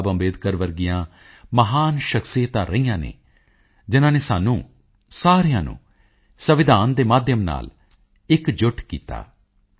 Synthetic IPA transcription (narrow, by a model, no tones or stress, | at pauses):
bəmbeːd̪kəɾʋəɾɡɪjãː | məɦaːnʃəksiːt̪ãːɾəijãːnḛː | d͡ʒɪnãːneːsaːnũː | saːɾijãːnṵ̃ː | səʋɪd̪aːnd̪eːmaːd̪ʱjəmna̰ːl | ɪkd͡ʒʊʈʰkḭːt̪a̰ː